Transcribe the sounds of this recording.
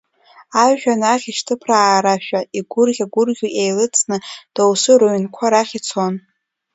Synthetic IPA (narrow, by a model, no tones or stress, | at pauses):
aʒᶣanaχʲiʃtʰɨpʰraːɾaʃᶣaiɡʷʊrʁʲaɡʷʊrɡʲoʔejlɨt͡sʰʼnɨd̥awsɨɾoɥnkʷʰaɾaχʲit͡sʰon